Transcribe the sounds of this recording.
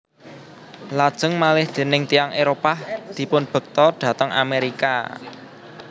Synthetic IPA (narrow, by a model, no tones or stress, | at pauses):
lad̥ʒ̥ə̤ŋmalɪhd̪̥e̤nɪŋt̪ijaŋeɾopahd̪̥i̤pʊnb̥ə̤k̚t̪ɔɖ̪̥ä̤t̪əŋʔa̰meɾika̰